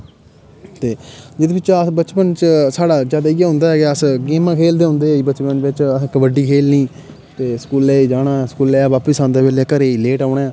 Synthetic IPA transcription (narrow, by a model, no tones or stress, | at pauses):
t̪eːd͡ʒɪd̪eːbɪt͡ʃbət͡ʃpənt͡ʃsaːɽaːd͡ʒaːd̪aːiaːɦʊ̃ːnd̪aːɦɛːɡeəsɡeːmãːkʰeːld̪eːɦʊ̃ːnd̪eːɛiːbət͡ʃpənʋɪt͡ʃəkʋəɖiːkʰeːlnĩː | t̪eːskuːlɛːid͡ʒaːɽãːskuːlɛːʋaːpəsaːnd̪eːʋeːlɛːkəɾeːileːʈaːnaː